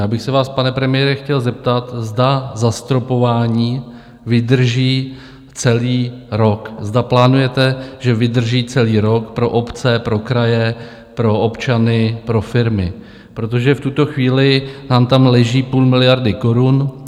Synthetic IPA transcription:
jaːbɪxsɛvaːspanɛpɾɛmɪjɛːɾɛxcɛlzɛp̚t̪at̪zdazast̪ɾo̞po̞vaːɲiː | vɪd̪r̩ʒiː | t͡sɛliːɾo̞kzdaplaːnujɛt̪ɛʒɛvɪd̪r̩ʒiːt͡sɛliːɾo̞kpɾo̞ʔopt͡sɛpɾo̞kɾajɛ | pɾo̞ʔopt͡ʃanɪpɾo̞fɪɾmɪ | pɾo̞t̪o̞ʒɛft̪ut̪o̞xviːlɪnaːmt̪amlɛʒiːpuːlmɪlɪjaɾdɪko̞ɾun

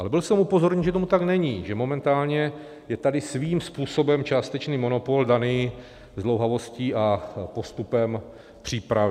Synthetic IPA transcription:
ʔalɛbɪlsɛmupo̞zo̞ɾɲɛnʒɛt̪o̞mut̪aɡnɛɲiːʒɛmo̞mɛnt̪aːlɲɛ | jɛt̪adɪsviːmspuːso̞bɛmt͡ʃaːst̪ɛt͡ʃniːmo̞nopo̞ldanɪ | zlowɦavo̞sciːʔapo̞st̪upɛm | pr̝̥iːpɾavɪ

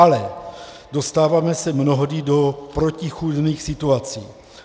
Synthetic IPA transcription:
alɛ | do̞st̪aːvaːmɛsɛmnoɦodɪdo̞pɾocixudniːxsɪt̪uat͡siː

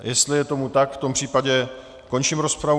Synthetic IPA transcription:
jɛst̪lɪjɛt̪o̞mut̪akft̪o̞mpr̝̥iːpaɟɛ | ko̞nt͡ʃimɾo̞spɾav

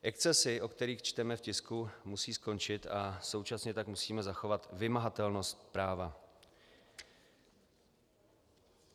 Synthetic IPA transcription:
ʔɛkt͡sɛsɪʔo̞kt̪ɛɾiːxt͡ʃt̪ɛmɛfcɪskumusiːsko̞nt͡ʃɪt̪aso̞wt͡ʃasɲɛt̪akmusiːmɛzaxo̞vat̪vɪmaɦat̪ɛlno̞st̪pɾaːva

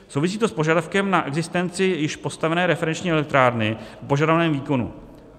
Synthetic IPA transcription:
sowvɪs̬iːt̪o̞spo̞ʒadafkɛmnaʔɛɡzɪst̪ɛnt͡sɪjɪʃpo̞st̪avɛnɛːɾɛfɛɾɛnt͡ʃɲiːɛlɪt̪ɾaːɾnɪfpo̞ʒadavanɛːmviːko̞nṵ

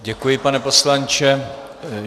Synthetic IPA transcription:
ɟɛkujɪpanɛpo̞slant͡ʃɛ

